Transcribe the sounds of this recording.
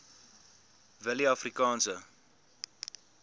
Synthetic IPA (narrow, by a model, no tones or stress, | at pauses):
vəliɐfrikɑːnsə